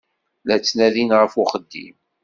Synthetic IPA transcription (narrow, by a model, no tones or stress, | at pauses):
læt͡sːnæðinʁəfʊχəd̪ːḭm